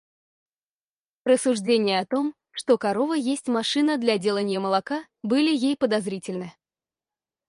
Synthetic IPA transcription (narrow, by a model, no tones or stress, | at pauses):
rəsːʊʐdʲenʲɪjəɐt̪o̞m | ʂt̪okɐɾo̞vəjesʲtʲmɐʂɨnəd̪lʲadʲe̞lˠənʲɪjəməlˠɐka | bɨlʲɪjejpəd̪ɐzɾʲitʲɪlʲnɨ